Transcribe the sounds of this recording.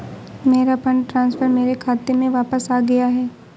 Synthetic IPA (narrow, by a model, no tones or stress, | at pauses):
meːɾapɐ̃ɳɖʈɾãːnsfʰəɾmeːɾekʰaːt̪emẽʋaːpəsaːɡɐjaɦɛː